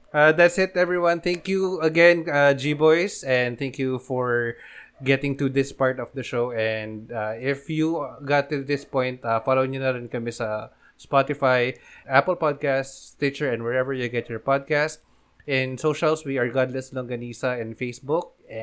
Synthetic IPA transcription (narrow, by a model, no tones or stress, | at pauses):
ad̪æt̪sɪt̪ɛvɹiwɐ̃nθæ̃ŋkjuɐɡɛ̃nad͡ʒibɔjsɛ̃nd̪t̪æ̃ŋkjufɔɹɡɛt̪ɪ̃ŋt̪ud̪ɪspaɹt̪ɔfd̪ɐʃoʊɛ̃nd̪aɪfjuɡɑt̪ːud̪ɪspɔ̃jnt̪afalowɪ̃ɲʊnɐɾɪnkɐmɛsɐ | spat̪ɪfajʔæpəlpad̪̚kast̪t̪ɪt͡ʃəɹɛ̃ndwɛɹɛvəɹjuɡɛtjɔɹpad̪̚kast̪̚ | ɪ̃nsoʃɐlswiɐɹɡɑd̪lɐslɔ̃ŋɡɐniːsɐɛ̃nfeɪsbʊk̚ɛ